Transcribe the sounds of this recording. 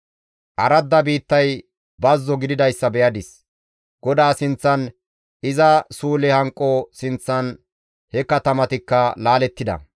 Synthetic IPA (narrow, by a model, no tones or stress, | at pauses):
ʔɐɾɐd̪ːɐbiːt̪ːɐj | bɐzːɔɡɪd̪ɪd̪ɐjsːɐbɛjɐd̪ɪs | ɡ̥ɔd̪aːsɪnt͡sːɐn | ɪzɐsuːlɛhɐŋkʼːɔsɪnt͡sːɐn | hɛkɐt̪ɐmɐt̪ɪkːɐlaːlɛt̪ːɪd̪ɐ̰